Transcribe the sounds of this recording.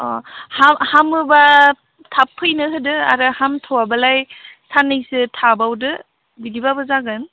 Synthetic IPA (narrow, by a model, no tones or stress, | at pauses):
ɔhamhamɯba | tʰapʰːɯjnɯɦɯdɯa̰ɾɯhamtʰowabalajsanɯjsɯtʰabawdɯ | biɡibabɯzaɡɯn